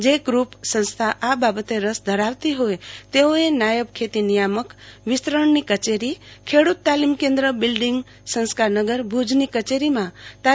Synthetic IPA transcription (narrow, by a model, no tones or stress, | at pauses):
d͡ʒeɡɾupsə̃nst̪ʰaʔababət̪eɾəsd̪ʱəɾaʋt̪iɦoet̪eoenajəbkʰet̪inijaməkʋɪst̪ɾəɳnikət͡ʃeɾikʰeɽut̪ːalimkẽnd̪ɾəbɪlɖɪŋɡ | sə̃nskaɾnəɡəɾbʱud͡ʒnikət͡ʃeɾimãt̪a